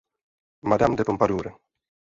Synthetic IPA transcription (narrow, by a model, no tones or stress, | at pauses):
mad̪amd̪epompad̪uːɾe